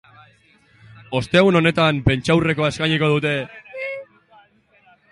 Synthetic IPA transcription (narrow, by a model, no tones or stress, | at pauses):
o̞st̪eaɣuno̞ne̞t̪ampe̞nt͡ʃawre̞ko̞ae̞skaɲiko̞ð̞ut̪e̞